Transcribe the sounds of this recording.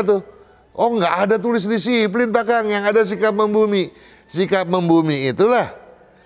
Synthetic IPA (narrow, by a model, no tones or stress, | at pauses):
t̪u | ʔɔŋɡaʔadat̪ulɪs̬disip̬lɪnpakaŋjaŋadas̬ikap̚məmbumi | sikap̚məmbumiːt̪ulah